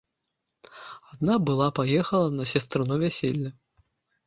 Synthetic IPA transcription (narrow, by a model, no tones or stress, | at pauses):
ad̪̚nabɨlˠapajɛxɐlˠɐnɐsʲɐst̪ɾɨnuvʲæsʲelʲːɐ